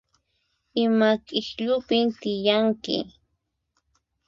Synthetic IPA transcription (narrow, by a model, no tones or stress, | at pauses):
ɪmakɪxʎʊpɪnt̪ɪjaŋkɪ̰